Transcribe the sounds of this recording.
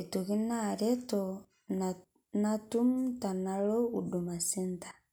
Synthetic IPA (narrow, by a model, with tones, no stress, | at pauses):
i˨to˨ki˦na˦˨ɾɛ˦tɔ˨ | na˦tu˦m˦ta˨na˨lo˦u˨du˨ma˨si˦n˦ta˨